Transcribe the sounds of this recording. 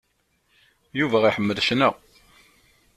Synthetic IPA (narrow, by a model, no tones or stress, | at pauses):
juvæiħəmːəðʃnəʁ